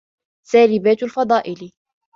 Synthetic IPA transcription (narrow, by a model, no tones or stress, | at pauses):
saːlɪbaːt̪alfɑd̪ˤɑːʔɪl